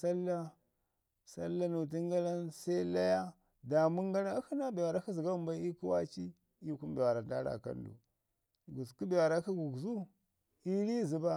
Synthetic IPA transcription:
sa˦lːa˦ | sa̰˦lːa˦nu˨t̬i˦ŋɡa˦la˦nsa˦i˦la˦ja˦ | da˨mu˦ŋɡa˦la˦hi˦na˦bi˨ja˨ɾa˦ki˦zi˨ɡa˦u˦m˦ba˦i˦ku˦wa̰˦t͡ʃi˦ | i˦ku˦m˦bi˨wa˨ɾa˨da̰˦ɾa̰˨ka̰˦ndṵ˨ | ɡu˨ku˦bi˨ja˨ɾa˨˦ki˦ɡu˨ɡzu˦ | i˦ɾi˦zi˨ba˦

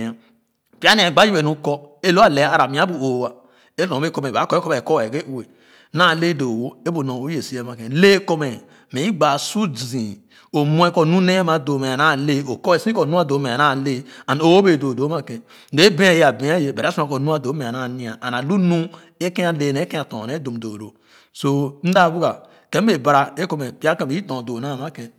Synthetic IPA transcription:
a˨ | pi˦a˦n˦˨ɡ͡ba˦ji˦we˨nu˨˦kɔ˦e˦lo˦a˦˨le˨˦a˨ɾa˨mĩ˨˦a˦bu˨o˨wa˨ | e˦lõ˨˦e˦kɔ˦me˨ba˨˦kɔ˦e˦kɔ˦me˨kɔ˦wke˦u˨we˨˦ | na˦˨le˦do˨wo˦e˦bu˨nõ˨o˦je˨si˦e˦˨ma˨kẽ˨le˦ko˦me˨ | mẽ˨i˦ɡ͡ba˨su˦d͡zĩ˨ | o˨mũ˦e˦kɔ˦˨nũ˦ne˦a˦ma˨do˨me˨a˨na˦˨le˦o˨kɔ˦e˨sĩ˦kɔ˨nũ˦a˦do˨˦me˨na˦˨le˦a˨n˦o˦wo˦be˨do˨do˨˦ma˦kẽ˨ | n˦de˨˦e˦bẽ˦a˦˨je˨a˨be˨˦a˦je˨be˨ɾa˦su˦ã˨ko˨nũ˦a˨do˨˦me˨a˨na˨nĩ˦a˨ʔa˨na˨lu˦nũ˦ | e˦ke˦a˨le˨˦˨ne˦kẽ˦a˨tõ̰˨ne˦do˨m˨do˨do˨ | so˦n̩˦da˦˨bu˦ɡa˨ | ke˦m˦e˨ba˨ɾa˨e˦ko˦me˨pi˦a˦kẽ˨be˨˦i˦tõ˨do˨na˦˨ma˦kẽ˨

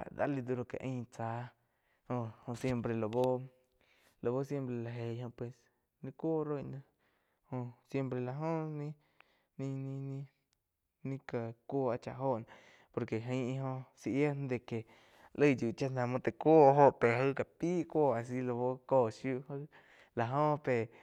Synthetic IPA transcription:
a̰˨d̪a̰˧li˧d̪u˧ɾo˧˨ka̰˨ʔĩː˦˧t͡saː˨˧˦ | hõ˧hõ˧sje˧mpɾe˧˨lo˨bo˦ | lo˨bo˦sje˦mpɾe˧la˧ɦe˨hõ˧pwe˨s | nĩ˧kʷoː˦ɾo˦jnã˧ | hõ˧sje˦mpɾe˧˨la˨ɦõ˦nĩ˦ | nĩ˧nĩ˧nĩ˦ | nĩ˦ka˧kʷoː˧a˧t͡ʃa̰˧˨ɦo˦ʔnã˧ | po˧ɾke˨ɦə̃˧˦i˧ɦõ˧si˧ʔje˦n˦d̪e˧ke˨ | lə˦˧˨dju˨t͡ʃa˦˧nã˧˨mõ˧t̪e˨kʷoː˦ɦo˧ʔpe˨ɦə˦ka˨piː˦kʷoː˦˧˨a˨s̬i˧˦lo˧bo˦koː˧˨ʃju˦ʔhə˦ | la˨ɦõ˦˧pe˨

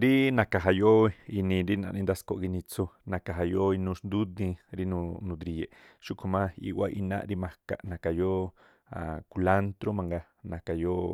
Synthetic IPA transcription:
ɾi˦nã˨ka˨ɦa˨jo˦i˧i˧nĩ˧ɾi˦nã̰˧˨nĩ˧nd̪a˦sko˧ʔɡi˧nĩ˧t͡so˧nã˨ka˨ɦa˨jo˦i˧nũ˧ʃnd̪u˦d̪ĩ˧ɾi˦nũ˧nũ˧d̪ɾi˧je˨ʃu˦kʰo˨mã˦ḭ˧wa˦ʔi˧nã̰˦ʔɾi˦mã˧ka̰˨ʔnã˨ka˨jo˦ | a̰˨ku˧la˦nt̪ɾo˦mã˧ŋɡa˧ | nã˨ka˨jo˦

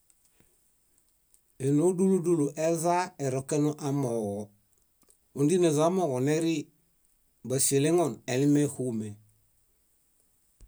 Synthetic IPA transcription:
e˨no˦du˦lu˦du˦lu˨ʔeza˦e˨ɾokenoʔa˦moɣo | undi˦ne˨za˦mo˨ɡo˨neɾi | basi˨le˦ŋonelime˦hume

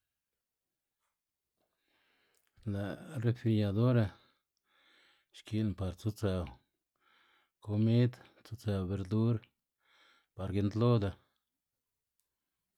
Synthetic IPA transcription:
la˨re˧fi˧ɾja˧d̪o˦ɾa˧ | ʃki˧npa˧ɾt͡su˦t͡sa˧˨w | ko˧mi˦d̪ | t͡so˧t͡sa˧wbe˧ɾd̪u˦ɾ | pa˨ɾɡe˧˦nd̪lo˦d̪a˧

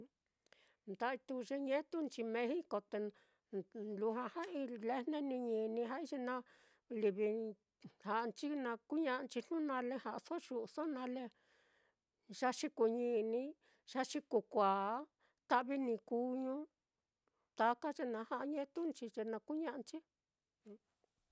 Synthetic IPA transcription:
nd̪a˧˦i˧t̪u˧ʐe˧ɲẽ˦t̪u˦nt͡ʃi˧mẽ˧hi˦ko˧t̪e˧ | nlu˧hã˧ha˦i˧le˦nẽ˦nĩ˧ɲĩ˧˨nĩ˧ɦa˦i˧ʐe˧nã˧ | li˧βi˧ | ha˧ʔnt͡ʃi˦nã˧ku˦ɲã˧ʔnt͡ʃi˧n̥nũ˦nã˧le˧ha˧˨ʔso˦ʃu˧so˦nã˧le˧ | ʒ̥a˦ʂi˧ku˧ɲĩ˧nĩ˧˦ | ʂa˦ʂi˧ku˧kʷa˨˦ | t̪a˦ʔβi˦nĩ˧ku˧ɲũ˦ | t̪a˧ka˦ʐe˧nã˧˦ha˧˦˧ɲẽ˦t̪u˦nt͡ʃi˧ʐe˧nã˧ku˦ɲã˦˧ʔnt͡ʃĩ˦˧

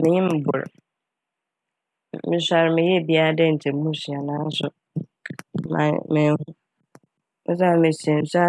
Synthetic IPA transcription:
mɪ̃˨ɲɪ̃˦m̩˨bʊ̰˨ɾ | mɪ̃˨˦sa˨ɾmɪ̃˨jɛ˦˨bi˦a˦dɛ˦n̩˨tʰɪ˨m˦mũ˦si˨ã˨nãː˨˦sʊ˨ | mã̰˨mɪ̃˨hʊ̃˦ | mɪ̰̃˦s̬a˦ɾmɪ̃˨se˨n̩˨sa˦

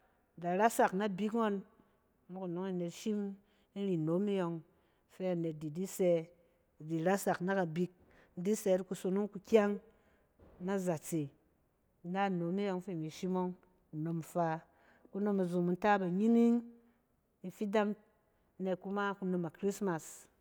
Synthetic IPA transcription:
da˨ɾa˦sa˨kna˦˨bi˦kŋo˦n˦ | mu˦ku˨no˨˦ŋi˦˨ne˨tʃi˦m | i˦ɾi˨no˨˦mi˦jo˧ŋ | fe˦a˨ne˨t̚di˨di˦se˧˨ | di˨ɾa˦sa˨kna˦ka˨bi˧k̚ | n̩˦di˦se˧˦ti˦ku˧so˨˧nu˦ŋku˧kʲa˦ŋ | na˦za˨t͡se˨˦ | a˦˨no˨˦mi˦jo˧ŋfe˦˨mi˨ʃi˦mo˦ŋ | u˨no˧m˨fa˧ | ku˦no˧ma˨zu˨mu˨n˦ta˦ba˨ɲi˦ni˦ŋ | i˨fi˦da˦ŋ˦ | ne˨t̚ku˦ma˦ku˧no˧ma˨kɾi˦sma˨s

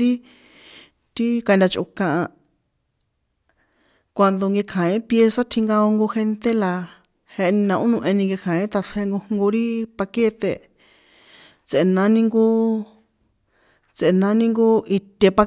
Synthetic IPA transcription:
ɾi˦ | t̪i˦ka˧nd̪ʲa˧t͡ʃʔṵ˧kã˧ʔã˧ | kʷa˧nd̪o˧ŋɡe˧kʰã˨ĩ˦pje˧sa˦t̪ʰi˧ŋɡa˧o˧ŋɡo˧xe˧nt̪e˦la˧ | he˧ʔe˧nĩ˧nã˧ʔũ˦nũ˧ʔẽ˧nĩ˧ŋɡe˧kʰã˨ẽ˦t̪a˧ʂe˧ŋɡu˧hŋɡo˧ɾi˦pa˧ke˦t̪ḛ˧ | t͡se˨ʔe˧nã˦nĩ˧ŋɡu˧ | t͡se˨e˧nã˨˦nĩ˦ŋɡu˦i˧t̪ʲe˧pa˧

